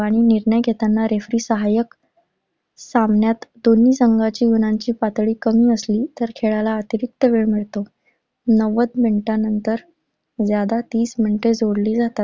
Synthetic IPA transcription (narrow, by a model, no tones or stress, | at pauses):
aɽ̃iniɾɳəjɡʱet̪anːaɾefɾiːsəɦajək | samɳjat̪d̪onːiːsəŋɡat͡ɕiːɡunaɲt͡ɕiːpat̪ɭiːkəmiːəsliːt̪əɾkʰeɭalaət̪iɾik̚t̪əʋeɭmiɭt̪o | nəʋəd̪miɳʈanənt̪əɾ | d͡zjad̪at̪iːsmiɳʈed͡zʱoɽliːd͡zat̪at̪